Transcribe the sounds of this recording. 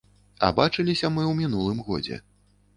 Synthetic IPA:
ɐ̰bat͡ʂɨlʲisʲɐmɨwmʲinulˠɨmɣɔ̰d͡zʲɛ̰

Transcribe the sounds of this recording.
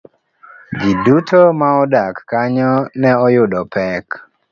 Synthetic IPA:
d͡ʒidutɔmaɔdakːaɲɔnɛɔjʊdɔpɛk

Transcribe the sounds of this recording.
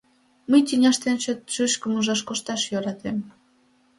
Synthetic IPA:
məjt̪ʲinʲɑʃt̪ent͡ɕøt̪ʃyʃkəmuʒɑʃkoʃt̪ɑʃjøɾɑt̪em

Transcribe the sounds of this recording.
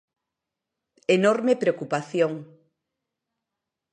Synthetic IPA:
enoɾmepɾeokupaθjoŋ

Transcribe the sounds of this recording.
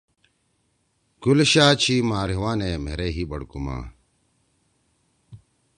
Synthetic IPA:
ɡ̥ulɕaːt͡ɕʰiːmaːɾiwaːneːmeɾeɦiːbɐɽkuma̰ː

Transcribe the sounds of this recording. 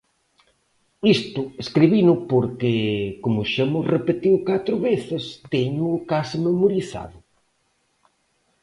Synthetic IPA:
ist̪ʊeskɾiβinʊpoɾkɪkomʊʃamʊrepet̪iwkat̪ɾʊβeθɪst̪ɛɲʊːkasmemoɾiθa̰ðʊ

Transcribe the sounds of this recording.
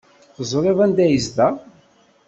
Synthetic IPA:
θzˤɾˤivænd̪æjəzd̪æ

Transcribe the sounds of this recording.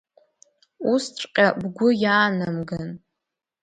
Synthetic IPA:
ustʼqʲʼabɡʷʊjaːnamɡan

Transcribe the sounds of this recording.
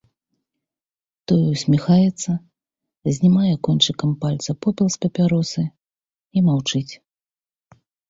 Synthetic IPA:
t̪ɔjɛwsʲmʲixajɛt̪sːɐ | zʲnʲimajɛkɔnʲt͡ʂɨkɐmpalʲt̪sɐpɔpʲɛlˠspʲɐpʲaɾɔsɨ | imawt͡ʂɨt͡sʲ

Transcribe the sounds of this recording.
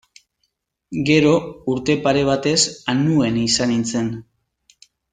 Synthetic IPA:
ɡe̞ɾo̞uɾt̪e̞paɾe̞β̞at̪e̞sanue̞nisanint͡se̞n

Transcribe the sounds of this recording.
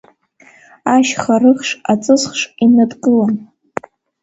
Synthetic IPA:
aʃχarɨχʂat͡sʼɨzχʂinadqʼɨlan

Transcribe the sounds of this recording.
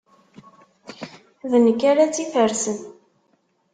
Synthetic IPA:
ðənəkːaɾat͡sːifəɾsən

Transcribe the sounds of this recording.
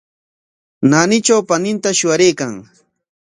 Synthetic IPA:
nanɪt͡ʃawpanɪnt̪aʃʊaɾejkaŋ

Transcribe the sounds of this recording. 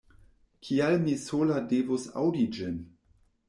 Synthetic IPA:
kʰialmisoladevosa̰wdid͡ʒɪn

